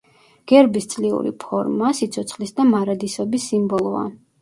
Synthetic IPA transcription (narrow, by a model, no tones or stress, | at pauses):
ɡ̥ɛɾbist̪sʼliṵɾḭpʰɔɾmasit̪sʰɔt̪sχlisd̪amaɾad̪isɔbisːimbɔlˠɔa̰